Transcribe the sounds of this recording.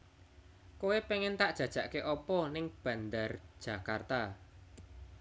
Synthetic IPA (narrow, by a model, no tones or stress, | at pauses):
kowepeŋɪnt̪aʔd̥ʒ̥a̤d̥ʒ̥a̤ʔkeʔɔpɔnɪŋb̥ä̤nd̪ard̥ʒ̥a̤kart̪a